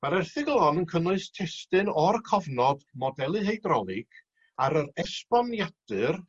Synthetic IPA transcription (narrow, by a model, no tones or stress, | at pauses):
maɾɛrθɪɡlˠɔnənkʰənʊɨstʰɛstɨnɔrkʰɔvnɔdmɔdɛlˠɨɦejdrɔlˠɪɡ̥ | aɾəɾɛspɔnjad̥ɨr